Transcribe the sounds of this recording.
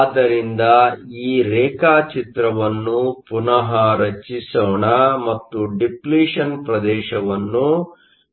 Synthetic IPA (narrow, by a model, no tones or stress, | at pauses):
d̪ɐɾind̪ɐiːɾɛːkaːt͡ʃit̪ɾɐʋɐnːupunɐɦɐɾɐt͡ʃisoːɳɐmɐt̪ːuɖipliːʂɐnpɾɐd̪ɛːʃɐʋɐnːu